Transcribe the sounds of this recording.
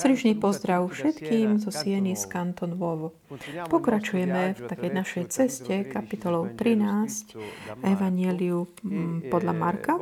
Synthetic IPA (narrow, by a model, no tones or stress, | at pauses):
sɾiʒɲipɔzd̪ɾaʊfʃɛt̪kiːmzɔsɪɛniskant̪ɔnʋɔʋɔ | pɔkɾat͡ʃujɛmɛft̪akɛjnaʃɛjt͡sɛscɛkapit̪ɔlɔʊt̪ɾinaːscɛʋaɲɪɛliupɔd̪ʎamaɾka